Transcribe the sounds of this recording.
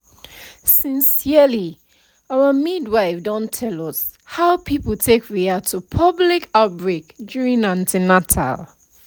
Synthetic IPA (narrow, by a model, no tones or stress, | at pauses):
sĩnsiəli | awəmidwaɪfdɔ̃ntʰɛlɔs | haʊpʰipəl̩tʰekʰɹiatʰupʰʌblikʰaʊt̚bɹekdjuɹĩŋnãntʰinatʰa̰l